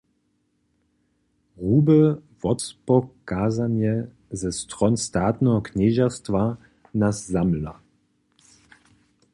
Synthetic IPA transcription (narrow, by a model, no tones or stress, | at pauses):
ʁuːbəvɔtspɔkaːzanjɛ | zɛst̪ʁɔnst̪aːt̪nɛɦɔkɲɛːʒast̪va | nasːamla